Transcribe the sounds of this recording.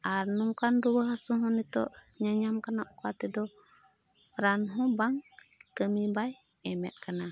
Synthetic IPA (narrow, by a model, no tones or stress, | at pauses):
ʔaɾnuŋkandubahasuhɔnito̰ | ɲaɲamkanaʔkatːɛdo | ɾanɦɔbaŋkəmibaj | ɛmɛ̰t̚kana